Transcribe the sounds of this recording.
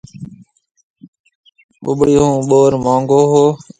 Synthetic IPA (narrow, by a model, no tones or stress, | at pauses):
ɓʊ̰ɓɽiːɦũːɓoːɾmãːŋɡoːɦoː